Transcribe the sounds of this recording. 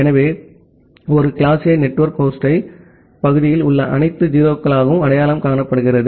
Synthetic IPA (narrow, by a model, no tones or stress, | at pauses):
ɛnɐʋeː | ɔɾɯkɪɭaːsɪjɐnɛʈːʋɐɾkːoːsʈɐɪ | pɐɣɯðɪjɪlʊɭːɐʔɐnɐɪt̪ːɯd͡ʒiːɾoːkːɐɭaːɣɐʋɯmɐɽɐjaːlɐmkaːɳɐpːɐɽɯɣɪrɐðɯ